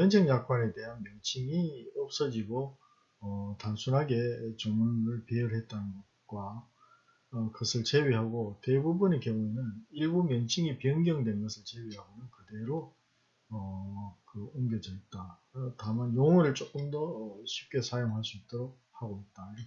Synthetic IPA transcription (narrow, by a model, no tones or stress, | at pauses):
jʌnd͡ʑʰeŋjak̚k͈ʰwane̞te̞ɦanmjʌŋt͡ɕʰiŋiʌp̚s͈ʌd͡ʑiɡo | ʌtansʰunɦaɡe̞t͡ɕʌŋɯnɯɭpejɯɭɦe̞t̚t͈anɯnɡʌt̚k͈wa | ʌkʌsʰɯɭt͡ɕe̞ɥiɦaɡote̞bubunike̞boenjɯniɭɡumjʌŋt͡ɕʰiŋipiʌŋɡjʌŋdwe̞nɡʌsʰɯɭt͡ɕe̞ɥiɦaɡonɯnkɯde̞ɾo | ʌkɯumɡjʌd͡ʑʌit̚t͈a | tamanjoŋʌɾɯɭt͡ɕ͈ok͈ɯmdʌɕʰip̚k͈e̞sʰajoŋɦaɭs͈uit̚t͈ʌɾok̚haɡoit̚t͈aɾ